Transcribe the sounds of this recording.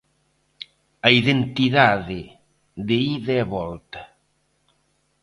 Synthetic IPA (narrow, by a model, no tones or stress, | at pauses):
aiðent̪iðaðe | d̪eiðeβɔlt̪ḁ